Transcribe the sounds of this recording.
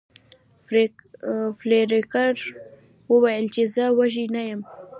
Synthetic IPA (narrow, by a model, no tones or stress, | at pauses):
fleɾekaɾ | wəwajəlt͡ʃezəwaʒinajəm